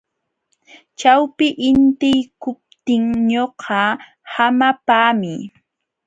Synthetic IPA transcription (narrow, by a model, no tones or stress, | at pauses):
t͡ʃawpɪʔɪnt̪ɪjkʊp̚t̪ɪŋɲoqʰɑ | hamapaːmɪ